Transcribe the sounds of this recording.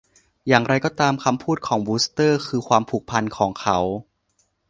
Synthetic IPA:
jaː˨˩ŋɾa˧jkɔː˥˩t̪aː˧mkʰa˧mpʰuː˥˩t̪̚kʰɔː˩˦ŋbuː˦˥st̪ɤː˥˩kʰɯː˧kʰwaː˧mpʰuː˨˩k̚pʰa˧nkʰɔː˩˦ŋkʰa˦˥w

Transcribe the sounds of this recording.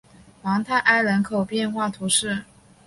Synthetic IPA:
wɑ˧˥ŋt̪ʰa˥˧ɪʔa˥ɪɻə˧˥nkʰo˨˩ʊpjɛ˥˧nxwa˥˩t̪ʰu˧˥ʂɻ̩˥˩

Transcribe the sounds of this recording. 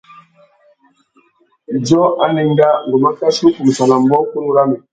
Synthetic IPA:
d͡ʒɔ˦a˦ni˨ŋ˦ɡa˦ŋ˨ɡu˨ma˦ka˦su˦ku˨m˨sa˨la˨m˦bɔ˦ku˦n˦u˦ɾa˦mi˨

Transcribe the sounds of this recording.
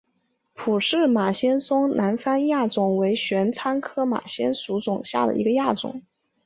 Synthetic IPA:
pʰu˨˩ʂɻ̩˥˩ma˨˩ɕjɛ˥nsʊ˥ŋnʔa˧˥nfa˥nja˥˩t͡sʊ˨˩ŋwe˧˥ɪɕɥɛ˧˥nt͡sʰa˥nkʰɤ˥ma̰˨˩ɕjɛ˥nsu˧˥t͡sʊ˨˩ŋɕja̰˥˩d̪ə̰˩i˧˥ɡə˧ja˥˩t͡sʊ̰˨˩˦ŋ

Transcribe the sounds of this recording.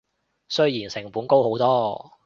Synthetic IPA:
sɵ˥ɥjiː˨˩nsɪ˨˩ŋpuː˨˥nko˥who˨˥wt̪ɔː˥

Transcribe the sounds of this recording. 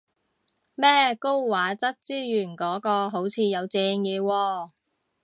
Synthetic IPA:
mɛː˥ko˥wwaː˨˥t͡sɐ˥t̚t͡siː˥jyː˨˩nkɔː˨˥kɔː˧ɦo˨˥wt͡sʰiː˨˧jɐ˨˧wt͡sɛː˧ŋjɛː˨˧wɔː˧

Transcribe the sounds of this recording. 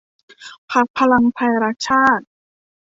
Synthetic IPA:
pʰa˦˥k̚pʰa˧la˧ŋpʰa˧jɾa˦˥k̚t͡ɕʰaː˥˩t̪̚

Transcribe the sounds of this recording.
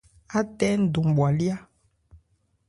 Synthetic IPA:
a˦tɛ˦n̩˦do˨m˨ɓwa˨li˦a˦

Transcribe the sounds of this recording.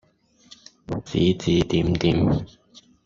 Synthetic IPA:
t͡sḭː˨˥t͡siː˨˥t̪iː˨˥mt̪iː˨˦m

